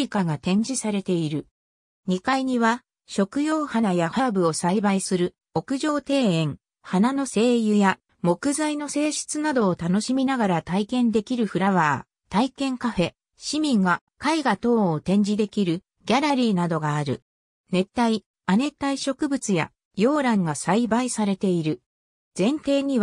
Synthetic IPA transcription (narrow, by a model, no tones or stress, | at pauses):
ikaɡat̪ẽ̞ɲ̟d͡ʑisaɾe̞t̪e̞iɾɯ̟ | ɲ̟ikaiɲ̟iβa | ɕo̞kɯ̟jo̞ːhanajahabɯ̟o̞saibaisɨɾɯ̟ | o̞kɯ̟ʑo̞ːt̪e̞ːẽ̞ŋ | hanano̞se̞ːjɯ̟ja | mo̞kɯ̟zaino̞se̞ːɕi̥t͡sɨnad̪o̞ːt̪ano̞ɕimʲinaɡaɾat̪aikẽ̞nd̪e̞kʲiɾɯ̟ɸɯ̟ɾaβaː | t̪aikẽ̞ŋkaɸe̞ | ɕimʲĩŋɡa | kaiɡat̪o̞ːt̪ẽ̞ɲ̟d͡ʑid̪e̞kʲiɾɯ̟ | ɡʲaɾaɾʲiːnad̪o̞ɡaːɾɯ̟̰ | ne̞t̪ːai | ane̞t̪aiɕo̞kɯ̟bɯ̟t͡sɨja̰ | jo̞ːɾãŋɡasaibaisaɾe̞t̪e̞iɾɯ̟ | z̥ẽ̞nt̪e̞ːɲ̟iβ